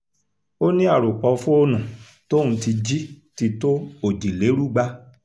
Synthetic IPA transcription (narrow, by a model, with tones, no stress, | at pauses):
o˦nĩ˦a˦˨ɾo˨k͡pɔ˧fu˦o˦nũ˨ | to˦nũ˧ti˧d͡ʒi˦ti˧to˦o˨d͡ʒi˨le˨˦ɾu˦˨ɡ͡ba˧